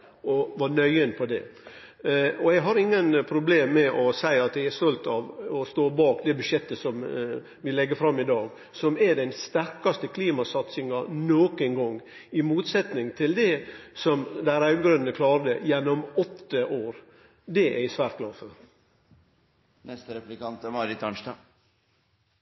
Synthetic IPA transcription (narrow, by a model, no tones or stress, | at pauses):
ɔʋɑnœʏənpʰɔd̪ɛ̰ | ɔɛɡɦɑɾɪŋːənpʰɾʊbleːmːɛʔɔsæɪɑt̪jæɡæɾst̪ɔlt̪ɑʋɔst̪oːbɑːkd̪ɛbʉʃjɛt̪ːəsɔm | ʋɪlɛɡːəɾfɾɑmːɪd̪ɑːɡ | sɔmæd̪ɛɪnst̪æɾkɑst̪əkʰliːmɑsɑt̪sɪŋɑnoːkənɡɔŋː | ɪmuːt̪sɛt̪nɪŋt̪ʰɪld̪ɛsɔmd̪æɪɾɑʉd̪ɡɾʉnːəkʰlɑːɾd̪əjɛnːɔmɔt̪ːəʔoːɾ | d̪ɛʔæɪsʋæːɾt̪̚ɡ̥lɑːɾfɔɾ | nɛst̪əɾɛplɪkɑnt̪əmɑɾɪt̪ʰɑnʃd̪ɑː